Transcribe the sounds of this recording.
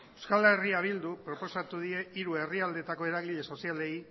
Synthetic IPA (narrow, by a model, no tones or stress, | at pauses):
ewskale̞riaβ̞ild̪upɾo̞po̞sat̪uðie̞iɾue̞riald̪e̞t̪ako̞e̞ɾaɣiʎe̞so̞siale̞i